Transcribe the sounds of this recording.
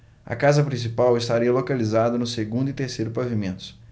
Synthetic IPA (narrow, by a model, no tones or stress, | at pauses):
ɐ̰kazɐpɾĩs̬ipawɪst̪aɾiɐlokalizad̪ɐnʊseɡũnd̪ʊit̪eɾsejɾʊpavimẽnt̪ʊ̥